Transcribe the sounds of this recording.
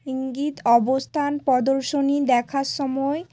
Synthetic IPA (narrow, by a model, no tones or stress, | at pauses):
iŋɡit̪ɔbost̪ʰanpɔd̪oɾʃonid̪ɛkʰaɾʃɔmɔe